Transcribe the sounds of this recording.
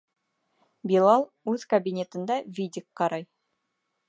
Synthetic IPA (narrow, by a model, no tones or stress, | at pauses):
bilˠɑlˠ | ʉz̥kɐbʲinʲe̞t̪ə̆nd̪ɑvʲid̪ʲɪk̚qɑɾɑj